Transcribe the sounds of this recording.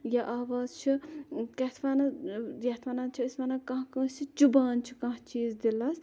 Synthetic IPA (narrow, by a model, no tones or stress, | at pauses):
jaʔaːʋaːzt͡ʃʰikɐt̪ʰmɐnɐjɐt̪ʰmanat͡ʃʰiismɐnɐkɐ̃ɦkɐ̃ːst͡ʃʰit͡ʃubaːnt͡ʃʰi̥kɐ̃ɦt͡ʃiːzd̪ilɐs